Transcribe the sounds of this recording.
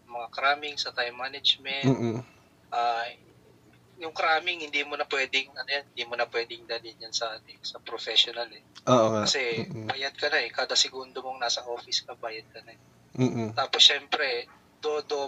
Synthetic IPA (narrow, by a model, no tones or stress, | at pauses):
ɐmɐŋakɐɾaːmɪŋsɐt̪ajmːanɛd͡ʒmɛnː | ʔaː | jʊŋkɾaːmɪŋhɪnd̪iːmonɐpwɛːd̪ɪŋɐnʊjanhɪnd̪iːmonɐpwɛːd̪ɪŋd̪ɐlinjɐnsɐʔaːt̪ɛsɐpɾofɛʃonalɛʔoːʔoɐsɛbaːjɐd̪̚kɐnaɛkaːd̪ɐsɛɡund̪omoŋnaːsɐʔo̞ːfɪskɐbaːjɐd̪̚kɐnaː | t̪aːposʃɛːmpɾɛ | d̪̥od̪o